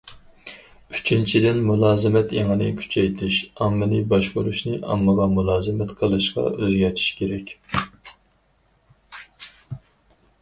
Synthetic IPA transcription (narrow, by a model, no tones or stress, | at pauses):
yt͡ʃʰint͡ʃʰid̪ɪnmulˠɑːzɨmɛt̪ʰeŋɨnɨkʲʰy̥t͡ʃʰɛjt̪ʰɪʃɑmːɪlibɑʃkoɾuʃnɨʔɑ̰mːɨʁɑmulˠɑːzɨmɛt̪qʰəlˠɨʃqɑ̰øzɡʲɛɾt̪ʰi̥ʃkʲʰeɾɛkʲ